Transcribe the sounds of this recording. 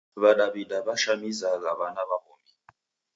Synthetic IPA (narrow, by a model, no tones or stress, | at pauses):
βaɗaβidaβaʃamizaɣaβanaβahɔ̰ːmi